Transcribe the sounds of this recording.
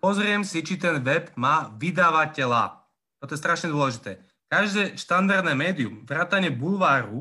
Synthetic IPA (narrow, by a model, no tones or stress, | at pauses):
pɔzɾɪɛmsit͡ʃit̪ɛnʋɛbmaːʋid̪aʋacɛla̰ | t̪ɔt̪ɔjɛst̪ɾaʃɲɛd̪ʊɔlɛʒit̪ɛː | kaʒd̪ɛːʃt̪and̪ard̪nɛːmɛːd̪iumvɾaːt̪aɲɛbulʋaːɾu